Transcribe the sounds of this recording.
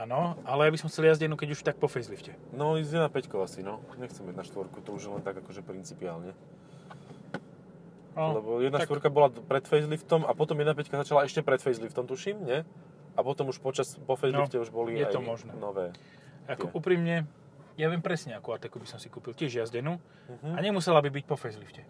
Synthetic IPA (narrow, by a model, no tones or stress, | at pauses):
anɔʔalɛjabisɔmxt͡sɛljazɟɛnukɛɟuʃt̪ak̚pɔfɛjzlifcɛ | nɔizjɛd̪napɛckɔasinɔɲɛxt͡sɛmjɛd̪naʃt̪ʋɔɾkut̪ɔuʒjɛlɛnt̪aɡakɔʒɛpɾint͡sipia̰ːlɲɛ | lɛbɔjɛd̪naʃt̪ʋɔɾkabɔlapɾɛt̪fɛjzlift̪ɔmapɔt̪ɔmjɛd̪napɛckazat͡ʃalaɛʃcɛpɾɛt̪fɛjzlift̪ɔmt̪uʃimɲɛ | apɔt̪ɔmuʃpɔt͡ʃaspɔfɛjznlifcɛuʒbɔlijɛaj̪ɔmɔʒnɛːnɔʋɛː | akɔɛʔuːpɾiːmɲɛ | jaʋɪɛmpɾɛsɲɛakuat̪ɛkubisɔmsikuːpilcɪɛʒjazɟɛnu | ɦ̩aɲɛmusɛlabibic̚pɔfɛjzlifcɛ